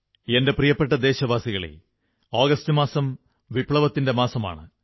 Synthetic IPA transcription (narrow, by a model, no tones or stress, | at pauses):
e̞nde̞prijɐpːe̞ʈːɐd̪e̞ːɕɐʋaːsiɣɐɭḛ | aːɡɐstɨmaːsɐm | ʋipɭɐʋɐt̪ːinde̞maːsɐma̰ːɳɨ̰